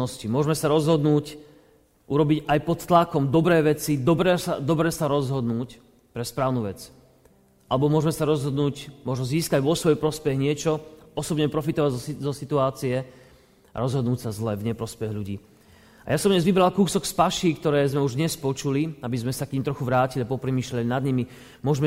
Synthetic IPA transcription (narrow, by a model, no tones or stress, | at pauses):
ɔscimʊɔʒmɛsaɾɔzɦɔd̪nuːc | ʔuɾɔbiɟajpɔt̪t̪lakɔmd̪ɔbɾɛːʋɛt͡sid̪ɔbɾɛsad̪ɔbɾɛːsaɾɔzɦɔd̪nuːc | pɾɛspɾaːʊnuːʋɛt͡s | ʔalɛbɔmʊɔʒmɛsaɾɔzɦɔd̪nuːcmʊɔʒnɔziːskaɟʋɔsʋɔjpɾɔspɛɣɲɪɛt͡ʃɔɔsɔbɲɛpɾɔfit̪ɔʋaɟzɔzɔsit̪uaːt͡siɛ | a̰ɾɔzɦɔd̪nuːcsazlɛvɲɛpɾɔspɛɣʎuɟḭː | a̰jasɔmdɲɛzʋibɾalkuːsɔkspaʃikt̪ɔɾɛːzmɛuʒd̪ɲɛspɔt͡ʃuliabizmɛsakɲiːmt̪ɾɔxuʋɾaːciliapɔpɾɛmiːʃlalinad̪ɲimi | mʊɔʒmɛ